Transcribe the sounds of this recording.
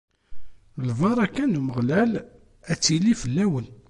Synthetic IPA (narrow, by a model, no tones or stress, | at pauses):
lvɑɾˤækːænuməʁlæl | æt͡sːilifəlːæwən